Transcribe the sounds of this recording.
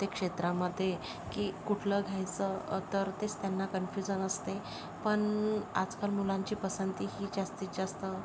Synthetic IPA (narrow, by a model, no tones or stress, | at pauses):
t̪ekʂet̪ɾaməd̪ʱːje | kiːkuʈʰləɡʱajt͡sət̪əɾt̪est̪janːakənfjud͡ʑənəst̪e | pəɳa̰d͡zkalmulãɲt͡ɕiːpəsənt̪iɦiːd͡ʑast̪iːt̪̚d͡zast̪ə